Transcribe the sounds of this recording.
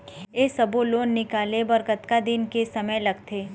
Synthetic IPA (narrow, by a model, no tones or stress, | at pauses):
eːsɐboloːnːɪkaːlebəɾkət̪kad̪ɪnkesɐməjlɐɡt̪ʰeː